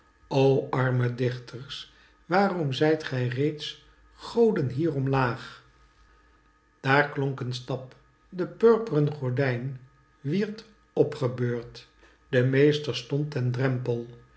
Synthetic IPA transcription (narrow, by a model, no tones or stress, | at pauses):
owɑɹmədɪχtʰəɹs | ʋaːrɔmzɛjtχɛjrejts | χowdənɦiːrɔmlaːχ | d̥aːɹklɔŋkənstɑp | dəpøɹpərənχɔɹdɛjn | ʋiɹt | ɔpχəbøːɹt | d̥əmejstəɹstɔntɛndrɛmpəlˠ